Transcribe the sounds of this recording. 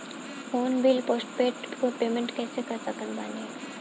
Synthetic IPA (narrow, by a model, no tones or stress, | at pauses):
foːnbilpoːsʈpeːʈkopeːmẽɳʈkɛːsekakakənbaːne